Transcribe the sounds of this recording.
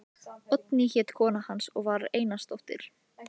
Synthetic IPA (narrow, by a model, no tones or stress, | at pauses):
œt̪nɪçɛːt̪kʰɔːnahansɔɣvaɾeːjnast̪ɔwht̪ɪ̰ɾ̥